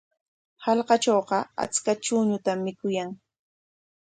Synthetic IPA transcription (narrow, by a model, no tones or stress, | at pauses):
hɑlqɑt͡ʃoːqɑa̰t͡skaʈ͡ʂʊɲʊt̪amːɪkʊjaŋ